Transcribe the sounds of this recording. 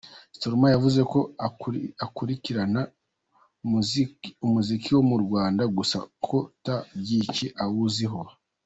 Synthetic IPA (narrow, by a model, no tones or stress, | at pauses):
stoɾmajavuze̞ko̞ | akuɾiciɾana | mumuzikiwo̞muɾɡwaːndaɡusa̰kʰo̞tabɟiceʔawuziɦo̞